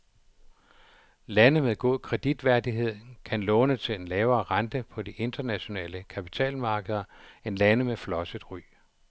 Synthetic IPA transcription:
lænəmeðˠɡ̥o̝ð̰ˠkʰʁɛd̥id̥ʋæɐd̥iɦe̝ð̞̰ˠnkʰænlɔ̽ːnət͡sʰe̝le̝nlɛːʊɐːʁɑnd̥əpʰɒ̽d̥iʔe̝nd̥ɐnæɕo̝nɛ̰ːləkʰæpʰi̥t͡sʰɛ̰ːlmɑ̈ːɡ̥əð̞̩ˠɐe̝nlænəmeflɒ̽səð̥ˠʁy̰ː

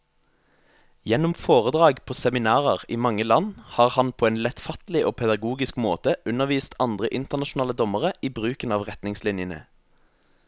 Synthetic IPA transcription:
jɛnɔmfoːʁəd̪ʁɑːɡpʰoːsɛmɪnɑːʁəʁiːmɑŋːəlɑnhɑːʁhɑnpʰoːɛːnlɛt̪fɑt̪lɪʔoːpʰɛd̪ɑɡuːɡɪskmo̰ːt̪əʔʉnəʁʋiːst̪ɑnd̪ʁəʔɪnt̪əʁnɑʃʊn̩ɑːləd̪ɔməʁəʔiːbʁʉːkənɑːʋʁɛt̪nɪŋslɪnjənə̰

